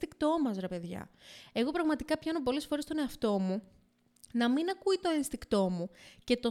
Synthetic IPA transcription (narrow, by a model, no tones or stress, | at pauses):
t̪ikt̪o̞mɐzɾɐpe̞ðʝɐ̰e̞ɣo̞pɾɐɣmɐt̪ikɐpçɐnop̬o̞le̞sfo̞ɾe̞st̪o̞ne̞ɐft̪o̞mu | nɐminɐkuit̪o̞inst̪ikt̪o̞muce̞t̪o̞